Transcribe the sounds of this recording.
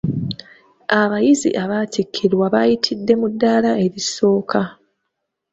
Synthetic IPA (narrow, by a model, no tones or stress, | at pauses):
aβajizḭʔaβatʰikʰːiɾwaβajitʰidːe̞mudːaːlae̞ɾiso̞ːkʰa